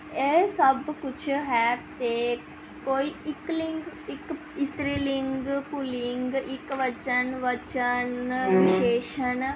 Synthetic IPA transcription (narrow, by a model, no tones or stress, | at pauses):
esəbkut͡ʃʰəɦɛːb̚t̪eː | koiikliŋɡik | it̪ɾiliŋɡpuliŋɡʔikʋət͡ʃənʋət͡ʃənʋiʃeːʃən